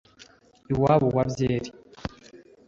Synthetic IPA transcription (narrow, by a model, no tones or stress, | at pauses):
iwaːβowabjeːɾi